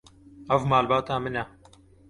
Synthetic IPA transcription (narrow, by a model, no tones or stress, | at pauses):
ɐvmaːlbaːt̪aːmɨnɛ